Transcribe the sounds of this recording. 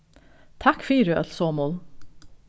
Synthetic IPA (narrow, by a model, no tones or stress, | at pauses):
t̪ʰɑkfiːɾʉɛ̰lsoːmʊl